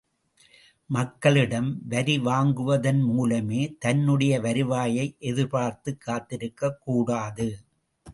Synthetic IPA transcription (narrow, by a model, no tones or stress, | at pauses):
mɐkːɐɭɪɽɐmʋɐɾiʋaːŋɡɯʋɐðɐnmuːlɐmeːt̪ɐnːɯɽɐjɐʋɐɾɯʋaːjɐɪʔɛðɯɾpaːɾt̪ɯkːaːt̪ːɪɾɯkːɐkːuːɽaːðɯ